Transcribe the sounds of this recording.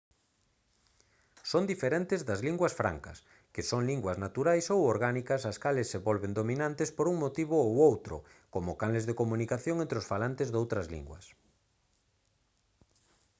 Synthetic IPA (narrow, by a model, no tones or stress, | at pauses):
sond̪ifeɾẽnt̪ɪzðɐzliŋɡwɐsfɾa̰ŋkɐ̰s | kɪsoŋliŋɡwɐznat̪uɾajsowoɾɣanikɐsɐskalɪsːeβolβend̪ominãnt̪ɪspoɾuŋmot̪iβʊowowt̪ɾʊ̰komʊkanlezðekomũnikaθjõŋẽnt̪ɾɪosfalant̪ezðowt̪ɾɐzlḭŋɡwɐ̰s